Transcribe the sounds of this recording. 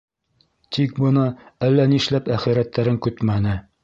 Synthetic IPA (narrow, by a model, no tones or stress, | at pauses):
t̪ʰik̚bɤ̆nɤælːæniʃlæpæχiɾæt̪ːæɾɘŋkʉt̪mænɘ